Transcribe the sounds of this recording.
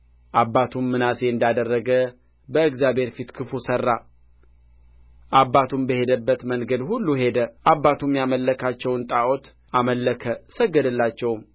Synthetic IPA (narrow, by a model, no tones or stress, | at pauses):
ʔabːat̪ʰumːɨnaseɨnd̪ad̪ərːəɡə | bəɨɡzjabe̞ɾfit̪kʰɨfusərːa | ʔabːat̪ʰumbəhe̞d̪əbːət̪məŋɡəd̪hulːuɦe̞d̪əʔabːat̪ʰumjaməlːəkʰat͡ʃːɛwnt̪ʼaʔot̪ | ʔaməlːəkʰəsəɡːəd̪ɨlːat͡ʃːɛwm